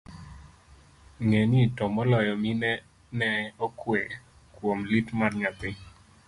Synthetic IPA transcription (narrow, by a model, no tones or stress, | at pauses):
ŋeɲitɔmɔlɔjɔminɛ | nɛɔkwe | kwomlitmarɲapɪ